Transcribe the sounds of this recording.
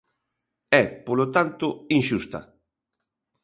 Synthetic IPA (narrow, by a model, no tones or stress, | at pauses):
ɛpolot̪ant̪ʊinʃust̪ɐ̰